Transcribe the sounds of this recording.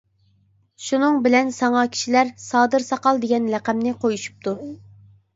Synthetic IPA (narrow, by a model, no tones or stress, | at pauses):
ʃunɨŋbɪlɛnsɑŋɑkʲʰi̥ʃilæɾsɑːd̪ɨɾsɑqɑlˠd̪eɡʲɛnlæqæmnɪqʰojuʃu̥p̚t̪ʰu